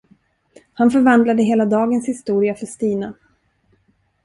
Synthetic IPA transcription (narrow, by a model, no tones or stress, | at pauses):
hanfœɾvand̪lad̪əɦeːlad̪ɑːɡənshɪst̪uːɾɪafœʂt̪iːna